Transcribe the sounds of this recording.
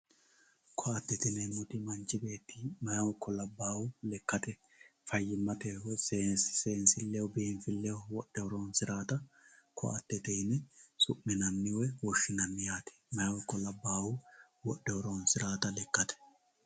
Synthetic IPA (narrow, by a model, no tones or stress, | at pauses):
kʰɔɐt̪ːɛt̪ɪnɛmʊt̪ɪmɐnt͡ʃːɪbe̞ːt̪ːiːmɐjɐwɔkʰːɔlɐbːaːwʊlɛkːɐt̪ɛ | fɐjːɪmːɐt̪ɛwɔse̥seːnsɪlːɛwɔbɪɛnfɪlːɛʊwɔɗɛwɔɾoːnsɪɾaːt̪ɐkʰɔ̰ʔɐ̰t̪ːɛt̪enɛsʊʔmːɪnɐnːɪwɛwɔʃːɪnɐnːɪjaːt̪ɛ̥mɐjwɔkːɔlɐbːaːwʊ | wɔɗːɛɔɾoːnsɪɾaːt̪ɐlɛkːɐt̪ɛ̥